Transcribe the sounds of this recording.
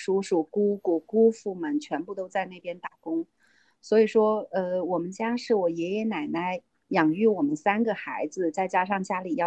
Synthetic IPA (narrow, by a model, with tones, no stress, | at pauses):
ʂu˧˥ʂu˨˩ku˥ku˨˩ku˥fu˥˩mə˨˩nt͡ɕʰɥɛ˧˥npu˥˩t̪o˥ʊt͡sa˥˧ɪna˥˩ɪpjɛ˥nt̪a˨˩kʊ˥ŋ | swɔ˧˥i˨˩ʂwɔ˥ə˧wɔ˨˩mə˦nt͡ɕja˥ʂɻ̩˥˩wɔ˨˩jɛ˧˥jɛ˧˥na˨˩ɪna˧˥ɪ | jɑ˨˩ŋy˥˩wɔ˨˩mə˦nsa˥nɡə˨xa˧˥ɪd͡zɹ̩˧t͡sa˥˩ɪt͡ɕja˥ʂ̬ɑ˥˩ŋt͡ɕja˥li˨˩jɑ˥˩